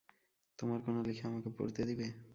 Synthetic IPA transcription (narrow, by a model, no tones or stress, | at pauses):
t̪omaɾkonolikʰeamakepo̰ɾt̪ed̪ibe